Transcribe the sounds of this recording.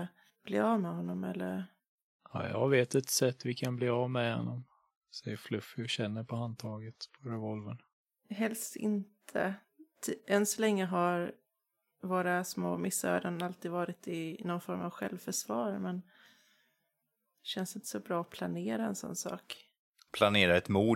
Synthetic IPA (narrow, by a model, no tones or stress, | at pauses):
b̥lḭːɑvmɛɦɔnːɔmɛ̰lːəɾ | a̰jɑ̰ɡveːt̪ɛt̪sɛt̪ːvɪkʰanbliːavmɛhɔ̰nːɔm | sɛjəɾflɵfːɪɕɛnːəɾpʰɔan̚t̪ʰɑːɡət̪pʰɔɾɛvɔlvən | ɦɛlst̪ɪ̰nt̪ʰə̰ | t̪ʰːɛnsɔlɛŋːəɦaɾ | voːɾasmo̰ːmɪsːœ̰ːd̪ənalt̪ʰiːd̪vɑːɾɪt̪ɪnɔnfɔɾma̰vɧɛlvfœʂvɑːɾmɛn | d̪ɛɕɛnsɪnt̪ə̥sɔbɾɑːɔpʰlaneːɾaɛnsɔ̰nːsɑ̰ːk | pʰlaneːɾaɛt̪muː